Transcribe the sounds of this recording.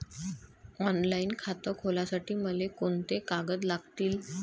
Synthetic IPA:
ɔnlaiːnkʰat̪əkʰolasaʈiːməlekoɳt̪ekaɡəd̪laɡt̪iːl

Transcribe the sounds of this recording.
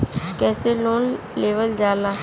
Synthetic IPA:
kɛːseloːn | leːʋəld͡ʒaːlaː

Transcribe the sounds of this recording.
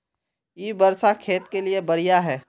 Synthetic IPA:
jiːbɐɾsakʰeːt̪keliebɐɾijaɦɛː

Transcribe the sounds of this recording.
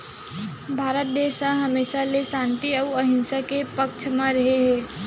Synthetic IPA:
bʱaːɾət̪̚d̪eːʃaɦɐmeːʃalesãːnt̪iɐwɐɦɪ̃nsakepɐkt͡ʃʰmãɾɐɦeɦɛ̃ː

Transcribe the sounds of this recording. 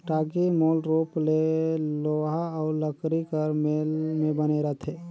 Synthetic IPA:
ʈaɡimolɾopleloɦaːʊləkɾikəɾmelmebəneɾəɦt̪ʰe

